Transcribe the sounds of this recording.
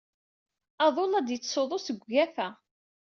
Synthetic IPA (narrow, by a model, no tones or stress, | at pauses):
ɑðˤolæd̪jət͡sːsoðˤosəɡʷːæfæ